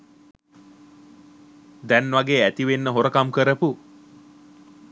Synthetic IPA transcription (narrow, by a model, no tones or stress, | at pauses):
d̪ænʋaɡeːæt̪iʋenːəɦoɾəkamkəɾəpu